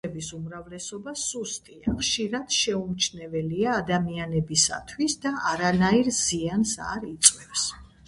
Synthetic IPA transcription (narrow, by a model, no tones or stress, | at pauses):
ɛbisumɾavlɛsɔbasust̪ʼiaχʃiɾad̪̥ʃɛumt͡ʃʰnɛvɛliaːd̪amianɛbisa̰t̪ʰwisd̪aʔaɾanaiɾz̥iansa̰ɾit̪sʼwɛfs